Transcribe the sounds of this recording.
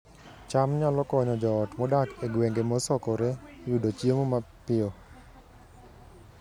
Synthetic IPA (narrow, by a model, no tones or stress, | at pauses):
t͡ʃamɲalɔkɔɲɔd͡ʒɔːtmɔdakeɡweŋɡemɔsɔkɔɾewudot͡ʃjemomapɪo